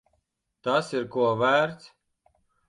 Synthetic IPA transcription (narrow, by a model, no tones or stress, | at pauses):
t̪asiɾkuɔvæːɾt̪s